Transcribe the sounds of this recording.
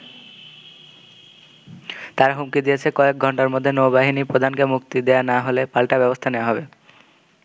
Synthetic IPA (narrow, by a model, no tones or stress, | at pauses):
t̪aɾaɦumkid̪ijet͡ɕʰekɔek̚ɡʱɔɳʈaɾmod̪ʱːenowbaɦinipɾod̪ʱankemukt̪id̪eanaɦolepalʈabɛbost̪ʰaneoaɦɔbe